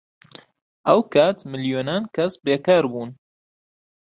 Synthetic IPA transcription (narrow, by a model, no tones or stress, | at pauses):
ʔɐwkʰat̪mɨljoːnaːnkʰɐsbeːkaːɾbuːn